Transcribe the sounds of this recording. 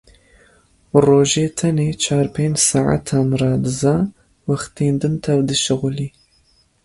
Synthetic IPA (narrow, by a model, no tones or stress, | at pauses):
roːʒeːtʰɐneːt͡ʃʰaːrpʰeːnd͡ʒsaʕa̰tʰanraːdɨzɐ | wɐχtʰeːndɨntʰɐvdɨʃɪʁʷʊliː